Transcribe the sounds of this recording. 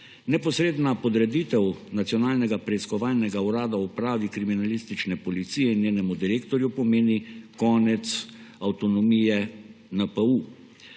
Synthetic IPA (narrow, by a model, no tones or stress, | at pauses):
nɛpɔsɾeːd̪napɔd̪ɾɛd̪it̪ɛwnat̪sijɔnaːlnɛɡapɾɛiskɔʋaːlnɛɡauɾaːd̪aupɾaːʋikɾiminalist̪it͡ʃnɛpɔlit̪sijɛinjeːnɛmud̪iɾeːkt̪ɔɾjupɔmeːnikɔːnɛt̪sawt̪ɔnɔmijɛ | nəpəu